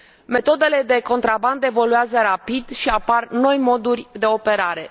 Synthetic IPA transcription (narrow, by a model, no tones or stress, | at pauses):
me̞t̪o̞d̪e̞le̞d̪e̞ko̞nt̪ɾaband̪e̞vo̞luazəɾapid̪ʃiaparno̞jmo̞d̪urʲd̪e̞o̞pe̞ɾaɾe̞